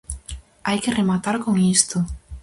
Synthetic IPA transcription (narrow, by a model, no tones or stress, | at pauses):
ajkɪremat̪aɾkoŋist̪o